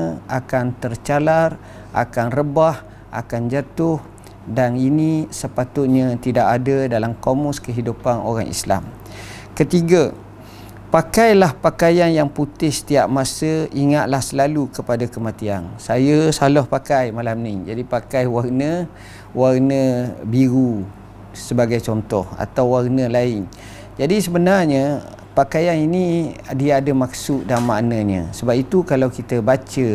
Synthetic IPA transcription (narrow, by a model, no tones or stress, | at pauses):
əakant̪ərt͡ʃalar | a̰kanrəbah | ʔa̰kand͡ʒat̪ʊh | daninisəpat̪ʊt̪̚ɲət̪idaʔadədalamkomɔskəɦidupano̰ɾaŋḭsla̰m | kət̪iɡa | pakajlahpakajanjaŋput̪ɪhsə̥t̪iaʔ̚masəiŋat̪̚lahsəlalukəpadakəmat̪iansajəsalɔhpakajmalamnid͡ʒadipakajwarnə | warnəbiɾu | səbaɡajt͡ʃɔnt̪ɔha̰t̪awwarnəlaɪn | d͡ʒadisəbənarɲə | pakajaninidiaːdəmaksʊʔ̪̚damːa̰ʔnə̃ɲə̰səbap̚it̪ukalawkit̪əbat͡ʃə